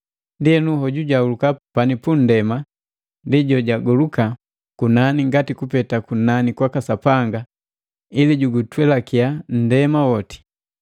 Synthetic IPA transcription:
ndiɛnuɦɔɟuɟaulukapanipun̩dɛma | ndiɟɔɟaɡɔluka | kunaniŋɡatikupɛtakunanikwakasapaŋɡa | iliɟuɡutwɛlakian̩dɛmawɔti̥

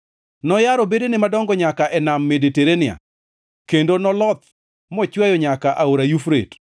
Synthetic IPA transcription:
nɔjaɾɔbedenɪmadɔŋɡɔɲakaʔɛnamːedeteɾenɪa̰ | kendonɔlɔt̪ | mɔt͡ʃwajɔɲakaʔaoɾajufɾḛt

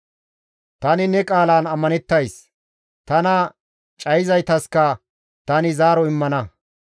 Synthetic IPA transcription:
t̪ɐnɪnɛkʼaːlaːnɐmːɐnɛt̪ːɐjs | t̪ɐnɐ | t͡ʃʼɐjɪzɐjt̪ɐskɐ | t̪ɐnɪzaːɾɔɪmːɐnɐ

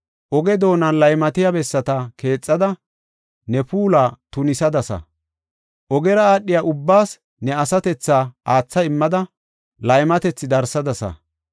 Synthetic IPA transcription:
ʔɔɡɛd̪o̞ːnɐnlɐjmɐt̪ɪjɐbɛsːɐt̪ɐke̞ːt͡sʼːɐd̪ɐ | nɛpuːlaːt̪ʊnɪsɐd̪ɐsɐ̰ | ʔɔɡɛɾɐaːɗːɪjaʔʊbːaːs | nɛɐsɐt̪ɛt͡sːaːʔaːt͡sːɐɪmːɐd̪ɐ | lɐjmɐt̪ɛt͡sːɪd̪ɐɾsɐd̪ɐsɐ̰

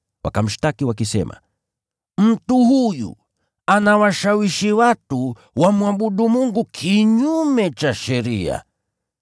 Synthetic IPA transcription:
wʔa̰kam̩ʃtakiwakisɛ̰mʔa̰ | m̩tuhujṵ | anawaʃawiʃiwatu | wamuaɓuɗumuŋɡukʰiɲumɛt͡ʃaʃɛɾia̰

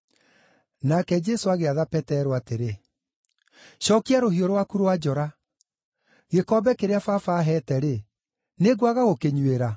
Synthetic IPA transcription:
nakɛd͡ʒɛsoaɣeaðapɛtɛɾwateɾe | ɕɔkiaɾohioɾowakuɾowad͡ʒɔɾa | ɣekɔbɛkeɾeafafaɦɛːtɛɾe | neɡwaɣaɣokeɲweɾa

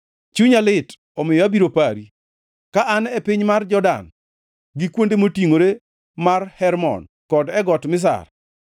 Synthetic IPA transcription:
t͡ʃuɲalɪt | ɔmɪjɔabiɾopaɾi | kaʔanɛpɪɲmard͡ʒɔda̰n | ɡɪkwondemotiŋoɾe | marhɛɾmɔ̰n | kɔdɛɡɔtmɪs̬a̰r

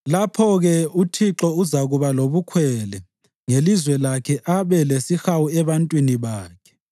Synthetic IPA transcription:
lapʰɔɣɛutʰiǁɔuzaɣuβaloβukʰwɛlɛ | ŋelizwɛlakʰɛʔaβɛlesixawuɛβantʼwiniβaːkʰɛ̥

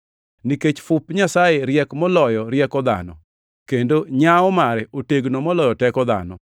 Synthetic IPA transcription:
niket͡ʃfʊpɲasajeɾjɛkmɔlɔjɔɾjɛkɔd̪a̰nɔ̰ | kendoɲaɔmaɾɛoteɡnɔmɔlɔjɔtɛkɔd̪a̰nɔ̰

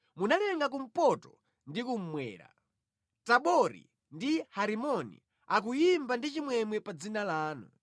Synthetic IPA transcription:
munalɛŋɡak̬um̩pɔtɔ | ndikum̩mwɛ̰ːɾa̰ | taɓɔɾḭ | ndihaɾimɔnḭ | ak̬ujimbandit͡ʃimwɛmwɛpad͡zinalaːnṵ

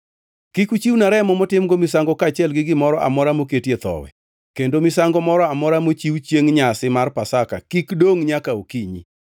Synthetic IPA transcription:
kikut͡ʃiwnaɾɛmɔmɔtɪmɡomɪsaŋɡɔkat͡ʃɛlɡɪɡɪmɔɾɔʔa̰mɔɾamoketjet̪ɔ̰wɛ̰ | kendomɪsaŋɡɔmɔɾɔamɔɾamot͡ʃiwt͡ʃjeŋɲasɪmarpasaka̰kikdoŋɲakaokiɲḭ

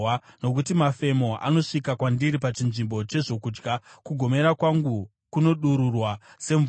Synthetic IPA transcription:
no̞k̬utimafe̞mo̞ʔa̰no̞ʂikakwandiɾipat͡ʃinʐimbo̞t͡ʃe̞ʐo̞kuːd͡ʒɡakuɡʱo̞me̞ɾakwaŋɡu | kuno̞ɗuɾurwase̞ɱ

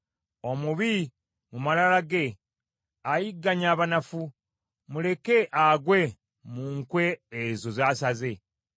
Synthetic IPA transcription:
o̞muβi | mumalalaɡe̞ | ajiɡːaɲaːβanafu | mule̞ke̞ʔaɡwe̞ | muŋkwe̞ːzozaːsaze̞

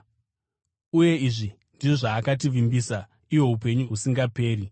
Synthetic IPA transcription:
uje̞iʐi | ndiʐaːkat̬iʋimbisa | iwo̞ɦupe̞ɲuɦusiŋɡape̞ːɾi

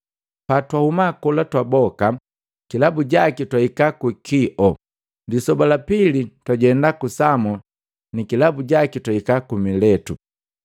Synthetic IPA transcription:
patwahumakɔlatwabɔka | kilabuɟakitwaikakukiʔɔ | disɔbalapilitwaɟɛndakusamɔ | nikilabuɟakitwaikakumilɛtu

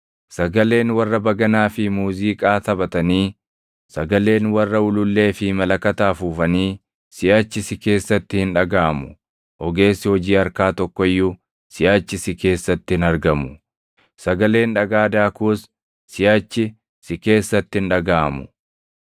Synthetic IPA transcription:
sɐɡɐle̞ːnwɐrːɐbɐɡɐnaːfɪmuːziːkʼaːt̪ɐbɐt̪ɐniː | sɐɡɐle̞ːnwɐrːɐʊlʊlːe̞ːfɪmɐlɐkɐt̪aːfuːfɐniː | sɪʔt͡ʃːɪsɪke̞ːsːɐt̪ːɪhɪnᶑɐɡaːmʊ | ʔɔɡe̞ːsːɪhɔd͡ʒiːɐɾkaːt̪ɔkːɔjːʊ | sɪjaːt͡ʃːɪsɪke̞ːsːɐt̪ːɪhɪnɐɾɡɐmʊ | sɐɡɐle̞ːnᶑɐɡaːd̪aːkus | sɪjaːt͡ʃːɪ | sɪke̞ːsːɐt̪ːɪɪnᶑɐɡaːmʊ

